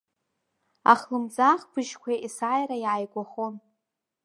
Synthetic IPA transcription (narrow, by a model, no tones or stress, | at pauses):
a̰χlɨmd͡zaχbʰɨʒkʷʰaisajrajaːjɡʷaχon